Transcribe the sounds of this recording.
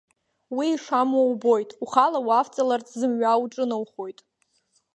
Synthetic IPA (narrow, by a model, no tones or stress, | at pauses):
wiːʂamwawbo̞jtʼuχalawaft͡sʼalart͡sʼzɨmɥawʈ͡ʂʼɨnawχo̞jtʼ